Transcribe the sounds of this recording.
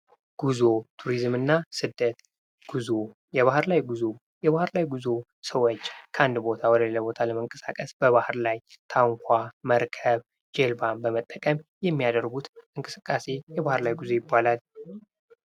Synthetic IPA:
ɡ̥uzot̪ʰuɾizmɨnːasɨd̪ːət̪ | ɡ̥uzo | jɛβahɨɾlajɡuzo | jɛβahɨɾlajɡuzo̞ | səwot͡ʃːkʰəand̪bo̞t̪ʰawɔd̪əleləbo̞t̪ʰaləməŋkʼəsa̰kʼəsb̥əβahɨɾlajt̪ʰaŋkʷʰaməɾkʰəβ | d͡ʒelbanbəmət̪ʼːəkʼəmjɛmːijad̪əɾɡut̪ʔɨŋkʼɨsɨkʼːase̞jɛβahɨɾlajɡuzo̞jɪbːalal

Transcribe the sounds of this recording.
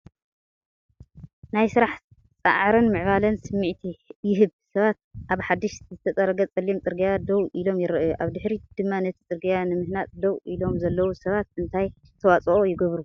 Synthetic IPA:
najsɨɾaħ | t͡sʼa̰ʕɾɐnmɨʕβalɐnsɨmːɨʕt̪ʰijɪɦɨβsɐβat̪̚ʔaβħad̪ːiʃzɨt̪ʰɐt͡sʼɐɾɐɡɐt͡sʼɐlːimt͡sʼɨɾɡijad̪owʔilo̞mjɪɾɐʔjuʔaβd̪ɨħɾid̪̥ɨmːanɐt̪ʰi̥t͡sʼɨɾɡijanɨmɨhnat̪ʼd̪owʔilo̞mzɐlːɐwusɐβat̪̚ɨnt̪ʰaj | ɨt̪ʰɐwat͡sʼɐʔojɪɡɐβɾu

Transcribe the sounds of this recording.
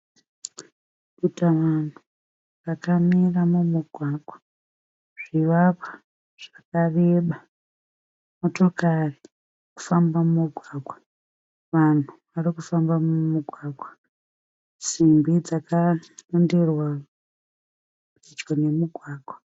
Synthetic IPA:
kitaʋan̤u | rakamiramumuɡʱwaːɡʱwa | ʐ̥iʋapḁ | ʐ̥akareɓa | moto̞kari | ku̥fambamumuɡʱwaːɡʱwa | ʋan̤uʋarikufambamumuɡʱwaːɡʱwa | simbid͡zakanonderwa | uit͡ʃɡone̞muɡʱwaːɡʱwa

